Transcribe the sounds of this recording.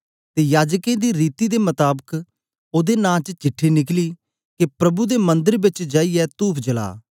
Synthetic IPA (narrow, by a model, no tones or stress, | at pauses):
t̪eːjaːd͡ʒkẽːd̪iːɾiːt̪iːd̪eːmət̪aːbək | oːd̪eːnãːt͡ʃt͡ʃɪʈʰːeːnɪkliː | kepɾəbud̪eːmə̃nd̪əɾbɪt͡ʃd͡ʒaːiɛːt̪uːpʰd͡ʒəla̰ː